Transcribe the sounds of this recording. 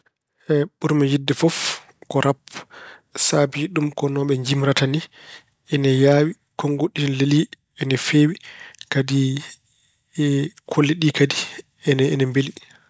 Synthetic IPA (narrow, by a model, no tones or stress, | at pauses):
hɛɓuɾmɛjidːɛfɔf | kɔɾʔap | saːbid͡ʒiɗumkɔnɔɓɛɲd͡ʒimɾatani | ɛnɛjaːwi | kɔŋɡoɗːinleli | ɛnɛfeːwikadi | kʰolːiɗikadi | ɛnɛɛnɛmbeli